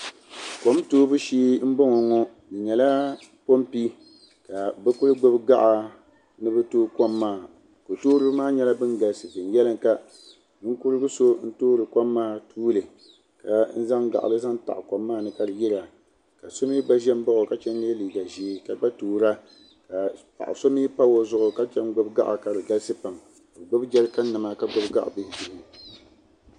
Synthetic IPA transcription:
ko˨˦mtoː˦bɨ˦ʃiː˦m̩˦bo˦ŋɔ˨ŋɔ˦ | dɨ˨ɲɛ˨la˦ | po˦mpi˦ | ka˨bɛ˦kʊ˦lɨ˦ɡ͡bo˦bɨ˦ɡa˦ʔa˨˦ | nɨ˦bɛ˦toː˦ko˦mːaː˦˨ | ko˨toː˦ɾɨ˦bɨ˦maː˦ɲɛ˦la˦bɨ˦nɡa˨lsɨ˨vɨ˨n˨jɛ˦lɨ˦ŋka˨˦ | ŋ̩˦ku˦ɾɨ˦ɡɨ˦so˦n̩˦toː˦ɾɨ˨kɔ˦mːaː˦˨tʰuː˦lɨ˨ | ka˨n̩˦za˦ŋɡa̰˨ʔa̰˨lɨ˦za˦nta̰˨ʔkɔ˨mːaː˦˨nɨ˨ka˦dɨ˨ji˦ɾa˨ | ka˨so˦mi˦ɡ͡ba˦ʒɛ˦m˦ba˦ʔʊ˨ka˦t͡ʃɛ˦n˦ne˦liː˨ɡa˨ʒi˦ka˦k͡pa˦toː˨ɾa˦ | ka˨pa̰˨ʔso˦mi˦pa˦wo˦zʊ˦ʔʊ˨ka˦t͡ʃɛ˦nɡʊ˦bɡa̰˦ʔa˨ka˨ɾɨ˨ɡa˦lsɨ˦pa˨m | ko˨ɡ͡bʊ˦bd͡ʒɛ˦ɾka˦n˦nɨ˨ma˦ka˦ɡ͡bʊ˦bɡa̰˦ʔbɪ˦hɪ˨di˨ɾɨ˨

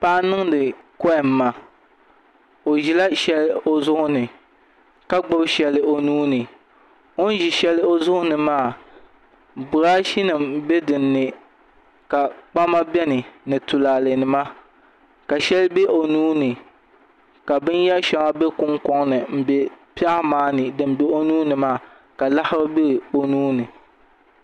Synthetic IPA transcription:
pa˦nɨ˦ŋdɨ˨kɔ˦ɪ˨m̩ː˨˦a˨ | o˨ʒi˨la˦ʃɛ˦lo˦zʊ˦ʔʊ˦nɨ˨ | ka˦ɡ͡bʊ˦bʃɛ˨lɨ˦o˨nuː˦nɨ˨ | o˦n˦ʒi˨ʃɛ˦lɨ˦o˦zʊ˦ʔʊ˦nɨ˨maː˦˨ | bʊ˨ɾaː˦ʃi˦nɨ˨mbe˦dɨ˨nːɨ˨ | ka˨k͡pa˦ma˦bɛ˦nɨ˨nɨ˨tʊ˨laː˨le˨nɨ˨ma˦ | ka˨ʃɛ˦lbe˦ʔo˨nuː˦nɨ˨ | ka˨bɨ˦nja˦ʃɛ˨˦ŋa˦be˦kʊ˦ŋkɔ˦ŋnɨ˨m̩˨be˨pi˦a˦maː˦nɨ˨dɨ˨m˦be˦o˦nuː˦nɨ˨maː˦˨ | ka˨la˦hɪ˦ba˦bɪ˦ɾɨ˨o˨nuː˦nɨ˨

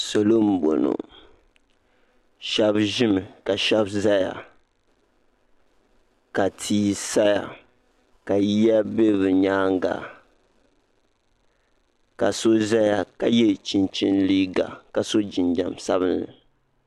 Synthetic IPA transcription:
so˨lo˦m̩˨bo̰˨no̰˨ | ʃa˦bʒɪ˦mɨ˨ka˨ʃa˦bza˦ja̰˨ | ka˨tʰiː˦sa˦ja̰˨ | ka˨ji˦ja˦be˦bɨ˨ɲaː˦ŋɡa̰˨ | ka˨so˦za˦ja˨ka˨jɛ˦˨t͡ʃi˨nt͡ʃi˦nli˦ɡa̰˨ka˨so˦d͡ʒɪ˨nd͡ʒa˨msa˦bɨ˦nːɨ̰˨

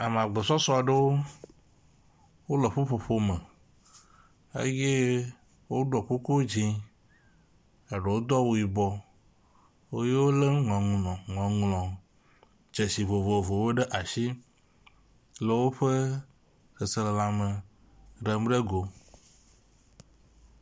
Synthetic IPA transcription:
a˨mẽ˨a˨ɡ͡be˨sɔ˦sɔ˦a˨ɖe˦wo˦ | wo˦le˨ɸo˦ɸo˨ɸo˦me˨ | ḛ˦je˦ | wo˦ɖɔ˨ko˦ko˦d͡ʑĩ˦ | e˨ɖe˨wo˦d̪ɔ˦wo˨i˨bɔ˦ | wo˦je˦wo˦le˦ŋɔ̃˨ŋũ˨nɔ̃˨ŋɔ̃˨ŋlɔ̃˨ | d͡ʒe˨si˨vo˨vo˨vo˨wo˦ɖe˦ʔa˨ʃi˦ | le˨wo˦ɸe˦ | xe˨se˨le˨la˨me˨ | ɖe˨m˦ɖe˦ɡo˨

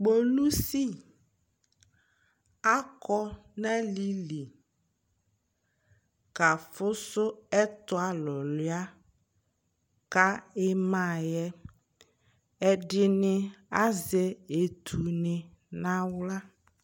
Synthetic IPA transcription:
k͡po˨lu˦si˦˨ | a˦kɔ˦na˦li˦li˨ | ka˨fʊ˦sʊ˦ɛ˦t̪ʊ˦a˨lɔ˨lɪ˦a˦ | ka˦ɪ˦mã˨jɛ˦ | ɛ˦dɪ˦nɪ˦a˦ze˦e˨t̪ʰu˨nɪ̃˨ | nã˦wla˦

